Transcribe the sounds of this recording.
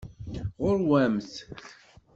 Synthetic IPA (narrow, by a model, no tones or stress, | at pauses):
ʁʊɾwæmθ